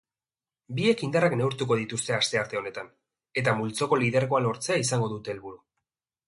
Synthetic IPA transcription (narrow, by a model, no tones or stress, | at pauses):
bie̞kind̪arakne̞uɾt̪uko̞ð̞it̪ust̪e̞ast̪e̞aɾt̪e̞o̞ne̞t̪an | e̞t̪amult͡so̞ko̞lið̞eɾɣo̞alo̞ɾt͡se̞aisaŋɡo̞ðut̪e̞ːlβuɾu